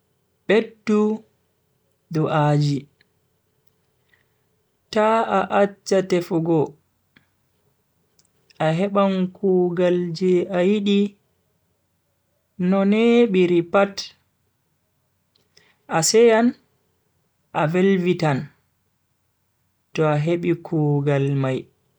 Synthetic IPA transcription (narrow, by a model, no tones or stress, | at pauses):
ɓedːu | dɔʔaːd͡ʒi | taaʔat͡ʃːatɛfuɡɔ | ʔaɦɛɓaŋkʰuːɡald͡ʒɛajiɗi | nɔnɛɓiɾipat | ʔasɛjan | ʔavelvitan | tɔaɦeɓikʰuːɡalmaj